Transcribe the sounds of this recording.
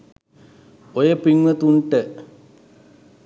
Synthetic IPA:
ojepiŋʋɐt̪uɳʈə

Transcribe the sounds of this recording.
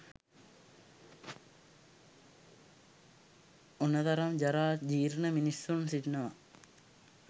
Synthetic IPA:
unːɐt̪ɐɾɐmd͡ʒɐɾaːd͡ʑiːɾnɐminisunsiʈnɐʋɐ

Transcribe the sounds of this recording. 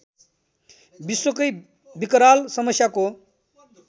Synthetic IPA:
biswəkəj | bikɾalsʌmʌsjako

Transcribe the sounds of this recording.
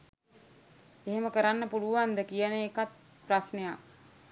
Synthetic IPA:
eɦeməkəɾanːəpuluʋand̪əkijənəekat̪̚ | prasnejak

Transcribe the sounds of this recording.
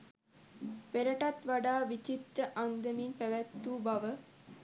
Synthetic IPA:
peɾəʈat̪ʋaɖaːʋit͡ʃit̪ɾəʔand̪əminpæʋæt̪ːuːbɐʋə

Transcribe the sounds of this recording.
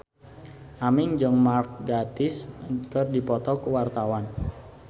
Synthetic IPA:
ʔamɪŋd͡ʒəŋmark̚ɡat̪ɪskərdipɔt̪ɔkuwart̪awan

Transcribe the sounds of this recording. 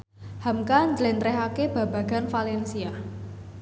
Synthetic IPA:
hamkaɲd͡ʒlɛnt̪ɾɛɦakeb̥a̤ba̤ɡ̥a̤nfalɛnsia

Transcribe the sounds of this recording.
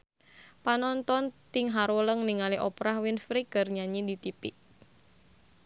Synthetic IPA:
panɔnt̪ɔnt̪iŋɦaɾuləŋniŋaliʔɔpɾahwinfɾiɡərɲaɲid̪it̪ipiʔ

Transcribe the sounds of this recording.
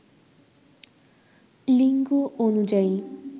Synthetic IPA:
liŋɡuʔonud͡ʑai

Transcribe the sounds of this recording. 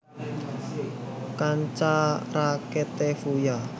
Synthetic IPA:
kaɲt͡ʃaraket̪efuja

